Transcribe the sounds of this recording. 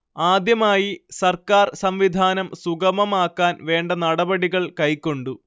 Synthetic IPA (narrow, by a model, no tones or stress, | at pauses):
aːd̪jɐmaːjisɐrkaːrsɐmʋid̪ʱaːnɐmsuɣɐmɐmaːkːaːnʋe̞ːɳɖɐnɐɽɐbɐɽiɣɐɭkɐjkːo̞ɳɖu